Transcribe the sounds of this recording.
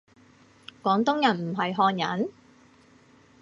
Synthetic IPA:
kwɔː˨˥ŋt̪ʊ˥ŋjɐ˨˩nm̩˨˩ɦɐ˨jɦɔː˧njɐ̰˨˥n

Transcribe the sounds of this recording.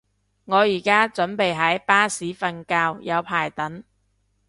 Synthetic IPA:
ŋɔː˨˧jiː˨˩kaː˥t͡sɵ˨˥npe˨jɦɐ˨˥jpaː˥siː˨˥fɐ˧nkaː˧wjɐ˨˧wpʰaː˨˩jt̪ɐ˨˥n

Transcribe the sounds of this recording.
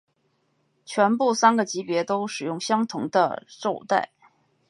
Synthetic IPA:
t͡ɕʰɥɛ˧˥npu˥˩sa˥nɡə˨t͡ɕi˧˥pjɛ˧˥t̪o˥ʊʂɻ̩˨˩jʊ˥˩ŋɕjɑ˥ŋt̪ʰʊ˧˥ŋd̪ə̰˧ʈ͡ʂo˥˧ʊt̪a̰˥˩ɪ

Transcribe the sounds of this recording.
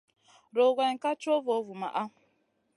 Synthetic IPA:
ɾo˨ɡʷe˨ŋ̩˨ka˦t͡ʃo˦vo˨˦vu˨ma̰˨ʔa˦˨

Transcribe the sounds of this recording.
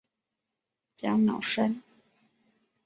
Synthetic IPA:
t͡ɕjɑ˥ŋnɑ̰˨˩ʊʂə˥n

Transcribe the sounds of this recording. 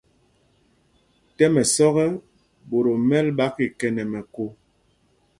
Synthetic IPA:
tɛ˦mɛ˨sɔ˦ɣɛ˦ | bo˨ɾo˨mɛ˦lɓa˦ki˨kɛ˨nɛ˨mɛ˨ko˦

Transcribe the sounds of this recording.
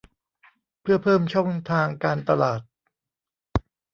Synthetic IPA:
pʰɯ˥˩ɐpʰɤː˥˩mt͡ɕʰɔ˥˩ŋt̪ʰaː˧ŋkaː˧nt̪a˧laː˨˩t̪̚

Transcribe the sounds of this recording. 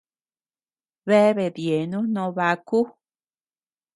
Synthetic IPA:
βe˦βe˨ðje˨nũ˦nõ˧βa˧ku˦

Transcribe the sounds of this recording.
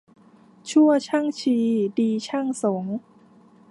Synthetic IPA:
t͡ɕʰu˥˩ɐt͡ɕʰa˥˩ŋt͡ɕʰiː˧diː˧t͡ɕʰa˥˩ŋso˩˦ŋ

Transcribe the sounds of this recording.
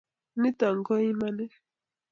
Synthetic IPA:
ni˦t̪a˨ŋ˨ɡɔ˦i˦ma˦nɛ˦

